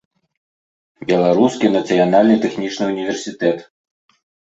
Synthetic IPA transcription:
bʲɛlˠaɾuskʲinɐt̪sɨjanalʲnɨt̪ɛxnʲit͡ʂnɨunʲivʲɛrsʲit̪ɛt̪

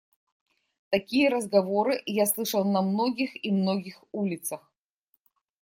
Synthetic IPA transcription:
t̪ɐkʲijəɾəzɡɐvoɾɨjaslˠɨʂəlˠnɐmnoɡʲɪximnoɡʲɪxulʲɪt̪səx

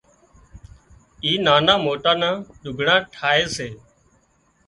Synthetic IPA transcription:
iːnaːnaːmoːʈaːnãːɗʊɡʱɳãːʈʰaːeːseː

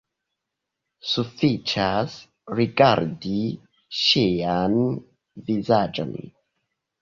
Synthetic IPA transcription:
sufit͡ʃaz | ɹiɡaɹdi | ʃean | vizad͡ʒə̰̃n

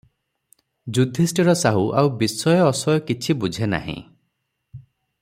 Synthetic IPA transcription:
d͡ʒud̪ʱisʈiɾɔsaɦuʔawbisːɔjɔːsɔjɔkit͡ʃʰibud͡ʒʱena̰ɦḭ̃

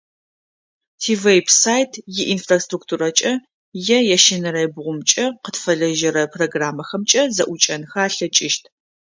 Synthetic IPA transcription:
tʰiːvejpʰsaːjtʰjɪʔinfrastruktʰuːrɐt͡ʃʼɐ | jɛjɛʃɪnɨɾɐjbʁʷʊmt͡ʃʼɐqətfɐɮɐʒɐɾɐpʰroɡraːmɐxɐmt͡ʃʼɐzɐʔʷʊt͡ʃʼɐnxaːɬɐt͡ʃʼɪʃtʰ

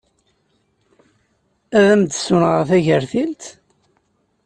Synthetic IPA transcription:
æðæmd̪sʊnʁəɾθæʝəɾθilt̪

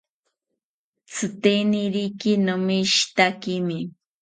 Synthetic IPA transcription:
t͡sʰɨt̪eniɾikinomiʃt̪akimɪ

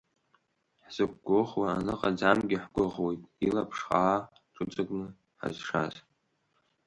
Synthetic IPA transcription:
ħz̥ɨkʷɡʷʊχwaːnɨqʼad͡zamɡʲɪħɡʷʊʁwe̞jtʼilapʰʂχaa | ʈ͡ʂʼɨt͡sʼɨɡʼnɨ | ħa̰zʂa̰z

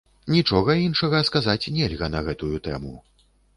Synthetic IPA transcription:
nʲit͡ʂɔɣɐinʂɐɣɐskazat͡sʲnʲɛlʲɣɐnɐɣɛt̪ujut̪ɛ̰mu

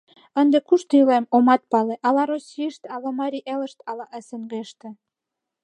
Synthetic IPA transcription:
ənd̪ekuʃt̪ylemomɑt̪̚pɑleʔɑlɑɾosʲiəʃt̪ɑlɑmɑɾʲiʔelə̆ʃt̪ɑlɑʔə̆sĕnɡeʃt̪ĕ

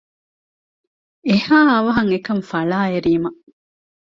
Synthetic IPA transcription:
ehaːɐʋɐɦɐŋekɐmfɐɭaːeɾiːmɐ

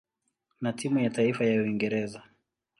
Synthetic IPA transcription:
natimujataifajauiŋɡɛɾɛza

